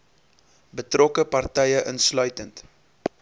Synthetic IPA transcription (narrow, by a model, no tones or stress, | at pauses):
bətrɔkəpɐrtɛjəʔənslœɥtənt